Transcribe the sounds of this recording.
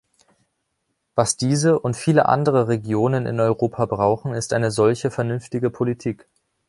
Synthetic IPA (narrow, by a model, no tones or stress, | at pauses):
v̥asd̥iːzəʔʊntfiːləʔa̰ndəʁ̞əʁeɡjoːnənɪ̰nɔʏʁoːpʰabʁaʊxn̩ɪstʔaɪnəzɔlçəfɛɐnʏnftɪɡəpʰolitʰiːk